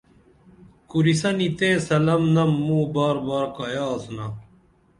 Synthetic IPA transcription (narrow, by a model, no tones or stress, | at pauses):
kuɾisɐnit̪ẽːsɐlɐmnɐmːũːbaːɾbaːɾkɐjaːsunɐ